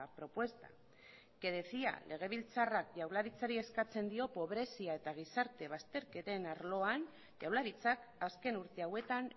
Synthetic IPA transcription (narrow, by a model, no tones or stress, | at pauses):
pɾo̞pwe̞st̪ḁ̰ | ke̞ðe̞θia̰lʔe̞ɣ̞e̞β̞ilt͡sarak̚ʝawlaɾit͡saɾie̞skat͡se̞nd̪io̞po̞β̞ɾe̞siae̞t̪aɣ̞isaɾt̪e̞βast̪e̞ɾke̞t̪e̞naɾlo̞an | ʝawlaɾit͡sakaske̞nuɾt̪e̞awe̞t̪an